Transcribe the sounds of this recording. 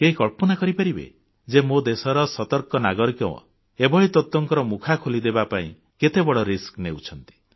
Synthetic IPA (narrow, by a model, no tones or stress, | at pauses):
keɦikɔɭpɔnakɔɾipaɾibḛ | d͡ʒemod̪esɔɾɔsɔt̪ɔɾkɔnaɡɔɾɔkew̰̃ | ebɔɦit̪ɔt̪ːɔŋkɔɾɔmukʰakʰolid̪ebapaḭ̃ | ket̪ebɔɽɔɾiskneut͡ʃʰɔnt̪i̥